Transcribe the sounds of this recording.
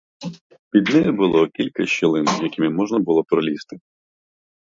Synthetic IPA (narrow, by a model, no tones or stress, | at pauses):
pʲid̪nɛjʊbʊlˠɔkʲilʲkɐʃɪlˠɪnjɐkʲɪmɪmɔʒnɐbʊlˠɔpɾɔlʲist̪ɪ̥